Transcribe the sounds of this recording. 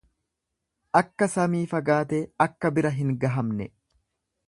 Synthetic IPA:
ʔɐkːɐsɐmiːfɐɡaːt̪eːɐkːɐbɪɾɐɦɪŋɡɐɦɐmnɛ

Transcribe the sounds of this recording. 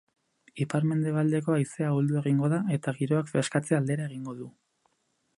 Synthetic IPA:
ipaɾme̞nd̪e̞β̞ald̪e̞ko̞ajse̞auld̪ue̞ɣiŋɡo̞ðae̞t̪aɣiɾo̞akfeskat͡se̞ald̪e̞ɾae̞ɣiŋɡo̞ðu

